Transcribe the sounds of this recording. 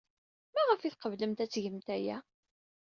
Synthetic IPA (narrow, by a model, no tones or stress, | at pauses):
mæʁəfiθqəvləmt̪æt͡sːʝəmt̪æjæ̰